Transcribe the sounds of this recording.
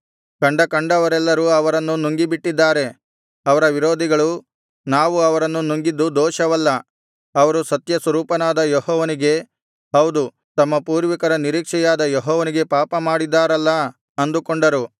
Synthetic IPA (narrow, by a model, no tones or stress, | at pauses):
kɐɳɖɐkɐɳɖɐʋɐɾɛlːɐɾuɐʋɐɾɐnːunuŋɡibiʈːid̪ːaːɾe̞ | ɐʋɐɾɐʋiɾoːd̪ʱiɡɐɭu | naːʋuɐʋɐɾɐnːunuŋɡid̪ːud̪ɔːʃɐʋɐlːɐ | ɐʋɐɾusɐt̪jɐsɐɾuːpɐnaːd̪ɐjɔɦɔːʋɐniɡe̞ | ɦɐwd̪u | t̪ɐmːɐpuːɾʋɐkɐɾɐniɾiːkʂɛjaːd̪ɐjɔɦɔːʋɐniɡe̞paːpɐmaːɽid̪ːaːɾɐlːɐ | ɐnd̪ukoɳɖɐɾu